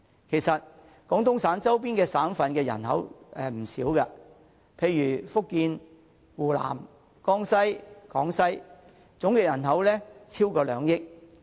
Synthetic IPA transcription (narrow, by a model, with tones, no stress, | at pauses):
kʰe˨˩jsɐ˨t̚ | kɔː˨˥ŋt̪ʊ˥ŋsaː˨˥nt͡sɐ˥wp̬iː˥nkɛː˧saː˨˥nfɐ˨˧nkɛː˧jɐ̰˨˩nhɐ˨˥wɛː˨m̩˨˩siː˨˥wkɐ˧ | pʰe˧jːyː˨˩fʊ˥kːiː˧n | wuː˨˩la̰ː˨˩m | kɔː˥ŋsɐ˥jkɔː˨˥ŋsɐ˥j | t͡sʊ˨˥ŋkɛː˧jɐ˨˩nɦɐ˨˥wlɛː˥t͡sʰiː˥wkɔː˧lœː˨˧ŋjɪ˥k̚